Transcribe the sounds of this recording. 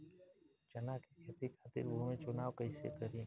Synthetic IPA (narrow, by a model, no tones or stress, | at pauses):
t͡ʃənaːkʰeːkʰet̪iːkʰaːt̪ɪ̰ɾomẽːt͡ʃʊnaːʋkəɪsḛːk̪əɾĩː